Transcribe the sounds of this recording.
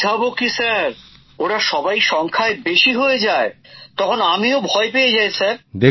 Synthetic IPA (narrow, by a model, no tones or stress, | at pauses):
abokisaɾ | oʈaʃɔbajʃɔŋkʰaebeʃiɦoed͡ʑaet̪ɔkʰonamiobʱɔepeed͡ʑajsʰaɾd̪e